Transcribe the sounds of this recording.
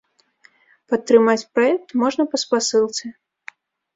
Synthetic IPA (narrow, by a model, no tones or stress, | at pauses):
pɐt̪ːɾɨmat͡sʲpɾaɛk̚t̪mɔʐnɐpɐspasɨlˠt̪sʲɨ